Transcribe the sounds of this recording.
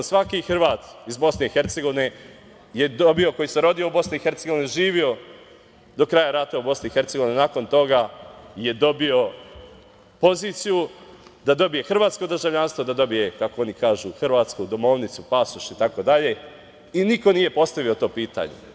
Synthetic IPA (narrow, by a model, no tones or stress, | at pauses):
sʋakixr̩ʋaːt̪izbo̞sneixe̞ɾt̪se̞ɡo̞ʋine | je̞d̪obio̞ko̞jiseɾo̞d̪ijoubo̞sniixe̞ɾt̪se̞ɡo̞ʋineʒiːʋio̞ | d̪o̞kɾaːjaɾat̪aubo̞sniixe̞ɾt̪se̞ɡoʋinenako̞nt̪o̞ɡaje̞d̪o̞bio̞ | po̞ziːt̪sijud̪ad̪o̞bije̞xr̩ʋaːt̪sko̞d̪r̩ʒaʋʎanst̪ʋo̞d̪ad̪o̞bije̞kakoo̞nikaːʒuxr̩ʋaːt̪skud̪o̞mo̞ʋnit̪supasuʃit̪ako̞d̪aʎe̞ | iniko̞niːje̞po̞st̪aʋio̞t̪o̞ːpiːt̪a̰ɲḛ